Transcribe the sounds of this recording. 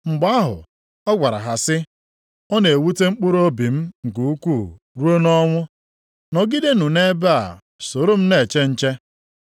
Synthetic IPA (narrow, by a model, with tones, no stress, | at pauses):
ŋ͡m̩˨ɡ͡ba˦a˦ɦʊ̰˨ | ɔ˦ɡʷa˨ɾa̰˨ɦa˨sɪ˦ | ɔ˦ne˨e˨wu˦te˦ŋ͡m̩˦k͡pʊ˦ɾo˦bi˨m̩˦ŋ̩˨ku˨˦u˦ku˦˨ | ɾu˦o˦nɔ˦ŋʷʊ˦ | nɔ˨ɡi˦de˦nu˨ne˦be˦a̰˨ | so˨ɾo˦m̩˦ne˨t͡ʃe˦n̩˦t͡ʃe˦